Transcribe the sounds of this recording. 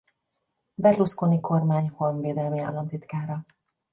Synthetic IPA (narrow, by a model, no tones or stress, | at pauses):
bɛɾluskoːniko̞rmaːɲho̞lmveːd̪ɛlmia̰ːlːɒmt̪it̪kaːɾɒ